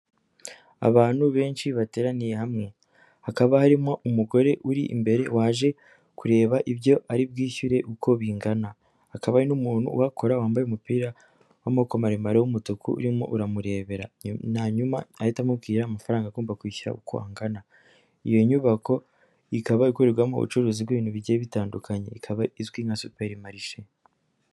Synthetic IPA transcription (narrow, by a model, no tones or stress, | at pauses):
a̰βaːn̥huβe̞ːnʃiβate̞ːɾanijehamŋe̞ | hakaβahaɾimoʔumuɡo̞ɾe̞ʔuɾiʔḭmbe̞ɾe̞waːʒe̞ | kuɾe̞ːβaʔiβjo̞ʔaɾib̚ɡiːʃuɾe̞ʔukʰo̞βiːŋɡana | hakaβainumuːn̥hṵwakʰo̞ɾawaːmbajeumupiːɾa | wamokomaɾimaɾewumutukʰuṵɾimo̰ʔuɾamuɾe̞ːβe̞ɾanaɲumaajitamub̚ɡiːɾaːmafaɾaːŋɡaɡoːmbakwiːçuɾa̰ukʰo̞̰a̰ŋɡana | ijo̞ɲuβakʰo̞ | ikaβaikuɾeɡwamo̰ṵt͡ʃuɾuzibɡeβiːnhuβiɟeβitaːndukʰaɲe̞̰ikʰaβaizɡwiŋasupeɾimaɾiʃe